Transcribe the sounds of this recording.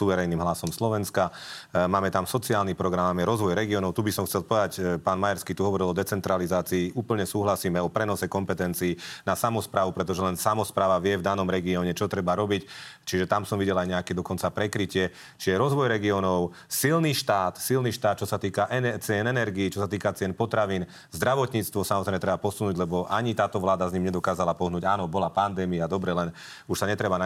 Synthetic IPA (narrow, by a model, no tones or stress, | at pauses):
uʋɛɾɛjniːmɦlasɔmslɔʋɛnskamaːmɛt̪amsɔt͡siaːlnipɾɔɡɾamamjɛɾɔzʋɔjɾɛɡiɔnɔʊt̪ubisɔmxt͡sɛlˠpɔʋɛd̪acpaːnmajaɾskiːt̪uɦɔʋɔɾilɔd̪ɛt͡sɛnt̪ɾalizaːt͡siːʔuːpl̩ɲɛsuːɦlasiːmɛɔpɾɛnɔsɛkɔmpɛt̪ɛnt͡siːnasamɔspɾaːʋupɾɛt̪̬ɔʒɛlɛnsamɔspɾaːʋaʋɪɛvd̪anɔmɾɛɡiɔːɲɛt͡ʃɔt̪ɾɛbaɾɔbict͡ʃiʒɛt̪amsɔmʋiɟɛlajɲɛakɛd̪ɔkɔnt͡sapɾɛkɾicɪɛ | t͡ʃiʒɛɾɔzʋɔjɾɛɡiɔnɔʊ | silniʃt̪aːt̪silniʃt̪aːt̪̚t͡ʃɔsat̪iːkaʔɛt͡sɪɛnɛnɛɾɡiːt͡ʃɔsat̪iːkat͡sɪɛnpɔt̪ɾaʋiːn | zd̪ɾaʋɔt̪ɲiːt͡st̪ʋɔsamɔzɾɛjmɛt̪ɾɛbapɔsunuːɟlɛbɔʔaɲit̪aːt̪ɔʋlaːd̪azɲiːmɲɛd̪ɔkaːzalapɔɦnuːɟaːnɔbɔlapand̪ɛːmiad̪ɔbɾɛlɛn | uʃsaɲɛt̪ɾɛban